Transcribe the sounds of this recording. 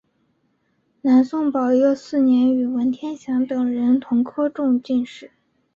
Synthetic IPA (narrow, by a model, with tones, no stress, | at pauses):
na˧˥nsʊ˥˩ŋpɑ˨˩ʊjɔ˥˧ʊsɹ̩˥˩njɛ˧˥ny˨˩wə˧˥nt̪ʰjɛ˥nɕjɑ˧˥ŋt̪ɤ˨˩ŋɻə˧˥nt̪ʰʊ˧˥ŋkʰɤ˥ʈ͡ʂʊ˥˧ŋt͡ɕi˥˧nʂɻ̩˥˩